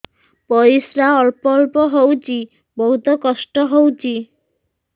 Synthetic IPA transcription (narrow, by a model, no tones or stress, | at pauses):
pɔɾisɾaɔɾpɔɾbɔɦowt͡ɕi | bɔd̪ɔkɔsʈɔɦowt͡ɕi